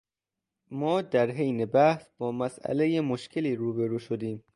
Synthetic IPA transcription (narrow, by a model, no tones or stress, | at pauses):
mɒːd̪æɾɦejnebæhsb̥ɒːmæsʔæ̰lejemoʃcʰeliːɾuːbeɾuːʃod̪iːm